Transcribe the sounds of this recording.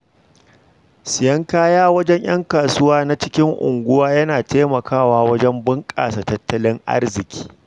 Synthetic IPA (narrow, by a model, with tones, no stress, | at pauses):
sɪ˨jɐ˦ŋkaː˦jaː˦wɐ˦d͡ʒɛ˦ɲj̰ɐ̰˦ŋkaː˨sʊ˦waː˦na˦t͡ʃɪ˦kʲɪ˦ŋʔʊ̰˨ŋɡʷʊ˦waː˦jɐ˦naː˨teː˦mɐ˨kʰaː˦˨waː˦wɐ˦d͡ʒɛ˦mbʊ˦ŋkʼa̰ː˨sa˨tɐ˦tːɐ˦lɪ˦ŋʔa̰˦rzɪ˨kʲʰi̥ː˦